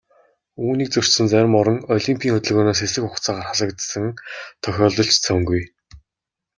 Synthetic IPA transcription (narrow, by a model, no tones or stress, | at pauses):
uːniːk̚t͡sɵr̥sɘ̆nt͡sæɾ̆ʲmɔɾɞ̆ŋɔɮimpʰʲiːŋxɵt̪ɵ̆ɮɣoːnaːsxesɘ̆kʊkt͡saːʁaːrχaɮə̆kt̪sə̆ŋt̪ʰœxʲɔːɮɞ̆ɬt͡ɕt͡sʰœŋɡuj